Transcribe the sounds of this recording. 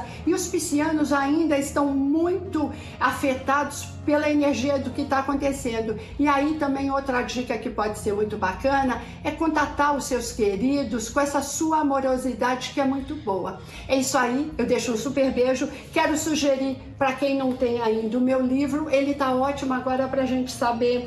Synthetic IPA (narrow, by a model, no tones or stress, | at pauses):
ɪʊspisiɐ̃nʊzaĩnd̪ɐɪst̪ɐ̃w̃mũj̃t̪ʊ | afet̪ad̪ʊs | pelɐeneɾʒiɐd̪ʊkɪt̪aːkõnt̪esẽnd̪ʊ | ɪait̪ɐ̃mbẽj̃owt̪ɾɐd͡ʒikɐkɪpɔd͡ʒɪseɾmũj̃t̪ʊbakɐ̃nɐ | ɛkõt̪at̪aɾʊsːewskeɾid̪ʊskõɛsɐsuɐamoɾozid̪ad͡ʒɪkɪɛmũj̃t̪ʊbowɐ | ɛisʊaiewd̪ejʃʊũsupeɾbeʒʊ | kɛɾʊsuʒeɾi | pɾɐkẽj̃nɐ̃w̃t̪ẽj̃aĩd̪ɐʊmewlivɾʊʔelɪt̪aɔt͡ʃimʊaɡɔɾɐpɾɐʒẽnt͡ʃɪ̥sabeɾ